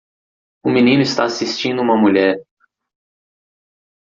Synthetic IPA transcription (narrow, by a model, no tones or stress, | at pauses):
ʊminĩnʊɪst̪aasist͡ʃĩnd̪ʊũmɐmuʎɛɾ